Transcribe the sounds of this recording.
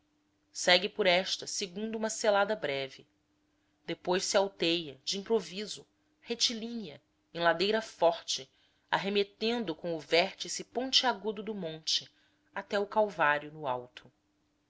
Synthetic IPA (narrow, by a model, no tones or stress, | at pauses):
sɛɡɪpʊɾɛʃt̪ɐseɡũnd̪ʊũmɐselad̪ɐbɾɛvɪ | d̪̥epojʃsɪawt̪ejɐd͡ʒɪĩpɾovizʊ | het͡ʃilĩɲɐ | ẽj̃lad̪ejɾɐfɔχt͡ʃɪ | a̰ɦemet̪ẽnd̪ʊkõw̃ʊvɛɾt͡ʃisɪpõnt͡ʃɪaɡud̪ʊd̪ʊmõnt͡ʃɪ | at̪ɛʊkawvaɾjʊnʊawt̪ʰʊ̥